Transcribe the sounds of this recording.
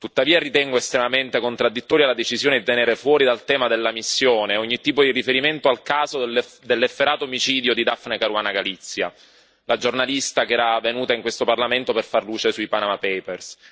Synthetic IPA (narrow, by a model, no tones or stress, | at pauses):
t̪ut̪ːaviːarit̪ɛŋɡoest̪ɾemament̪ekont̪ɾad̪ːit̪ːɔːɾjalːad̪et͡ʃizjoːned̪it̪eneːɾefwɔːɾid̪alt̪ɛːmad̪elːamisːjoːneoɲːit̪ːiːpod̪irifeɾiment̪oalkaːzod̪elːefːeɾaːt̪oːmit͡ʃiːd̪jod̪id̪afnekaɾwaːnaɡalit̪sːja̰ | lad͡ʒornalist̪akeɛːɾavːenuːt̪aiŋkwest̪oparlament̪operfarluːt͡ʃesuipanamapɛpers